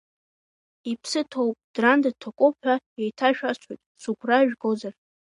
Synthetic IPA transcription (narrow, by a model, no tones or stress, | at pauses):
ipʰsɨtʰo̞wpʼd̥randatʰokʷʼʊħʰʷᶣaejtʰaʃᶣat͡ʃʷʰojtʼsuɡʷraʒᶣɡozar